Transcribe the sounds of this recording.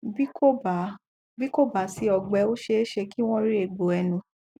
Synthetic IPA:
bi˦ko˦ba˨ | bi˦ko˦˨ba˨˦si˧˦ɔ˨ɡ͡bɛ˨˦o˦ʃe˧˦ʃe˧ki˦w̃ɔ̃˦i˦ɾe˦˨ɡ͡bo˨˦ɛ˧nũ˨˧

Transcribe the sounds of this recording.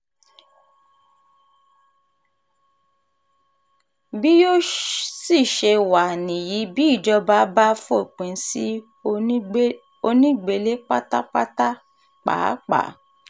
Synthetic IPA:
bi˦jo˦si˦˨ʃe˧wa˨nĩ˨ji˨˦bi˦˨d͡ʒɔ˧ba˦ba˦fo˦˨k͡pẽ˨˦si˦ | o˧nĩ˦ɡ͡be˧le˦k͡pa˦ta˦k͡pa˦ta˦ | k͡pa̰ː˨˦k͡pa̰˨˦

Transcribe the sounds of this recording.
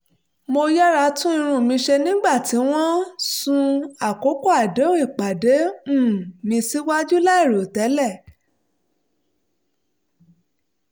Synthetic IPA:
mo˧ja˦ɾa˧tũ˦ĩ˧ɾ̃ũ˧˨mĩ˧ʃe˧nĩ˦ɡ͡ba˦˨ti˨˦w̃ɔ̃˦sũ˧a˨ko˨˦ko˦a˨de˨˦ũ˦ĩ˦˨k͡pa˨dẽ˨˦˨ | mĩ˧si˦wa˦d͡ʒu˦la˦i˦˨ɾo˨tɛ˨˦lɛ˦˨

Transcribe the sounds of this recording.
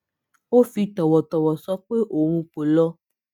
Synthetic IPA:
o˦fi˧t̪ɔ˨wɔ˨t̪ɔ˨wɔ˨sɔ˦k͡pe˦ʔo˨w̃ũ˧k͡po˨lɔ˦

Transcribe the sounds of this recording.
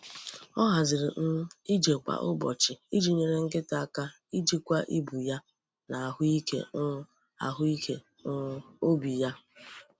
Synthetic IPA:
ɔ˦ɦa˨zɪ˨ɾɪ˨n̩˦i˦d͡ʒe˨ka̰˨ʔʊ˦bɔ̰˨t͡ʃɪ˨i˦d͡ʒi˨ɲe˨ɾe˨ŋ̩˦ɡɪ˦ta˨a˦˨ka˦ | i˦d͡ʒi˦kʷa˦ʔi˦bu˨ja˦ | na˨a˨ɦʊ˦i˦kḛ˦ | a̰˨ɦʊ˦i˦kʰe˦ | o˦bi˨ja˦

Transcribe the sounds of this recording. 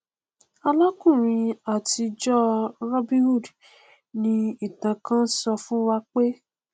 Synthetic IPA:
a˧la˦kũ˦˨ɾ̃ĩ˧a˨ti˧d͡ʒɔ˦ɾɔ˦bĩ˦wu˦˨d | nĩ˧i˦˨tã˨kã˦n̩˦sɔ˧fũ˦wa˧k͡pe˦

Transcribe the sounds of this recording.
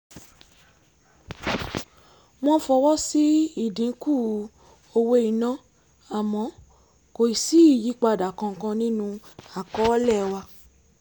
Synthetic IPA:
w̃ɔ̃˦fɔ˧wɔ˦si˦i˦˨dĩ˨˦ku˦˨ | o˧we˧i˨nã˦ | a˨mɔ̃˨˧˦ | ko˨i˨si˦i˦˨ji˨˦k͡pa˧˨da˨kã˧ŋ˨kã˧nĩ˦nũ˧ | a˨kɔ˨˦lɛ˦˨wa˧

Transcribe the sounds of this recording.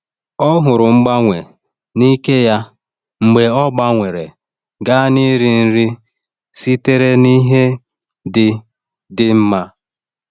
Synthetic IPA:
ɔ˦ɦʊ˨ɾʊ˨ŋ͡m̩˦ɡ͡ba˦ŋʷe˨ | ni˦ke˦ja˦ | ŋ͡m̩˨ɡ͡be˨ɔ˦ɡ͡ba˦ŋʷe˨ɾe˨ | ɡa˦ni˦ɾi˨n̩˦ɾi˦ | si˦te˦ɾe˦ni˦ɦe˦ | dɪ˨ | dɪ˨m̩˦ma˦

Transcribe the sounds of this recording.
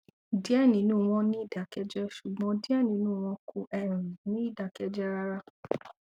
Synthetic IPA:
di˦ɛ˦˨nĩ˨˦nũː˦˨w̃ɔ̃˧nĩ˦i˦˨da˨˦kɛ˧d͡ʒɛ˦ʃu˨ɡ͡bɔ̃˨˦di˦ɛ˦˨nĩ˨˦nũ˦˨w̃ɔ̃˧kʰu˧ʔɛ˨ɾ̃ĩ˨nĩ˨˦i˦˨da˨kɛ˧d͡ʒɛ˦ɾa˧ɾa˦

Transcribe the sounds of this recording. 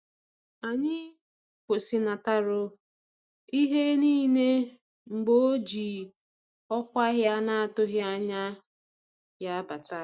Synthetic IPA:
a˨ɲɪ˦ | kʷo˨si˦na˨ta˦ɾʊ˦ | i˦ɦe˦niː˦ne˦ | m̩˨ɡ͡bo˦o˦d͡ʒi˨ | ɔ˦kʷa˦ɦja˦na˦a˨tʊ˦ɦja˦ɲa˦ | ja˦ba˨ta˦

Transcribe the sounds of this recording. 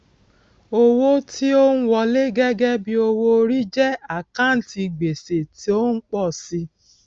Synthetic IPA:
o˦wo˦tʰi˦o˦n̩˦wɔ˧le˦ɡɛ˦ɡɛ˦bi˧o˧wo˧ɾi˦d͡ʒɛ˦a˨kã˦n̩˨˦ti˧ɡ͡be˨se˨ti˦o˦n̩˦k͡pɔ˦˨si˧

